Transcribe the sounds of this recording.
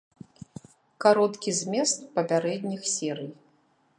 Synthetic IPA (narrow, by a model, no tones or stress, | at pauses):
kaɾɔt̪kʲizʲmʲɛst̪pɐpʲaɾɛd̪ʲnʲixsʲɛɾɨj